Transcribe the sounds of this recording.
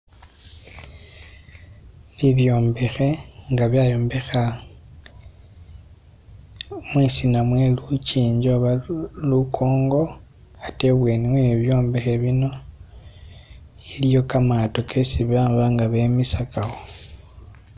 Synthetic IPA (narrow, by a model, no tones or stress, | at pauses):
liβjo̞ːmbe̞xe̞ŋɡaβjajo̞ːmbe̞xa | mwisinamwe̞luciːɲɟo̞βalukʰo̞ːŋɡo̞ | ateβwe̞ːniweniβjo̞ːmbe̞xe̞βino̞ | ilijo̞kamato̞kʰe̞siβaːmbaŋɡaβe̞misakaxo